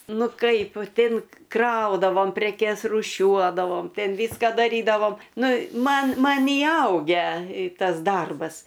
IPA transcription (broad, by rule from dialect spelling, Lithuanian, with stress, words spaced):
ˈnʊ ˈkɐɪp ˈtʲɪn ˈkrɐʊdɐʋoːm pʲrʲɛˈkʲɛs ruːˈʃʲuɔdɐʋoːm ˈtʲɛn ˈʋʲiːskɐ dɐˈrʲiːdɐʋoːm ˈnʊ ˈmɐn ˈmɐn iːˈɐʊɡʲæː ˈtɐs ˈdɐrbɐs